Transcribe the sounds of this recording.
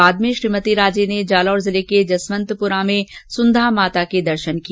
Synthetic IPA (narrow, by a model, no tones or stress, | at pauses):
aːd̪̚mẽʃɾiːmət̪iɾaːd͡ʒened͡ʒaːlɔːɾzɪleked͡ʒɐsmə̃nt̪pʊɾamẽsʊ̃nd̪ʱamaːt̪aked̪ɐɾʃənki